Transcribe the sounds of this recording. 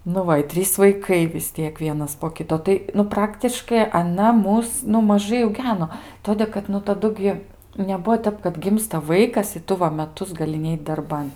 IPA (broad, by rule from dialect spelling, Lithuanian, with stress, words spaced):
nʊ ˈʋɐ ɪ ˈtʲrʲiːs ʋɐɪˈkɐɪ ʋʲɪs ˈtʲiɛk ˈʋʲiɛnɐs poː ˈkʲɪtoː ˈtɐɪ nʊ ˈprɑːktʲɪʃkɐɪ ɐˈnɐ ˈmʊs nʊ mɐˈʒɐɪ ɐʊˈɡʲæːnoː ˈtoːdʲeː kɐt nʊ tɐˈdʊ ɡʲɪ nʲɛˈbuɔ ˈtʲɛp kɐt ˈɡʲɪmstɐ ˈʋɐɪkɐs ɪ ˈtʊ ʋɐ mʲɛˈtʊs ɡɐˈlʲɪ ˈnʲɛɪt dɐrˈbɐn